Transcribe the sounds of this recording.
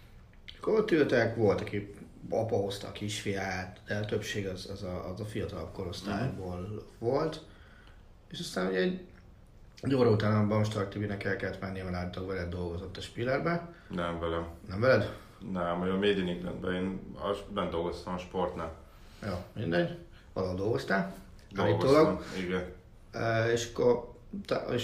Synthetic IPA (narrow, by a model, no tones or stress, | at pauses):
kːoɾot̪ːyt̪ɛkʋo̞lt̪ɒki | ɒ̰pɒɦo̞st̪ɒ̰ːkiʃfijaːt̪d̪̥ɛt̪øpʃeːɡɒzɛzɒzɒfijɒt̪ɒlɒpko̞ɾo̞st̪ʰa̰ːjboːlvo̞lt̪ | eːʃɒst̪aːnuɟɛɛɟ | doːɾɒut̪aːnɒbɒmʃt̪ɒrt̪ːibinɛkɛlkɛlt̪mɛnːijmɛnaːlit̪ːɒkvɛlɛd̪ːo̞lɡo̞zo̞t̪ːɒʃpilɛrbɛnɛɱvɛlɛmnɛɱvɛlɛd̪ | nɛmøɒmeːd̪iniŋɡlɛ̰nbɛeːnɒ̰bɛnd̪o̞lɡost̪ɒmɒʃport̪naːl | joːmind̪ɛɟ | ʋɒ̰loɦod̪o̞lɡo̞st̪aː | d̪lːitɡ̪oloɡiɡɛnː | eːʃɒ̥kːor | t̪eʃ